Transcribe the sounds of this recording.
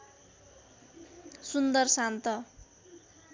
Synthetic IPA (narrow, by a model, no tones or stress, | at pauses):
sund̪ʌrsant̪ʌ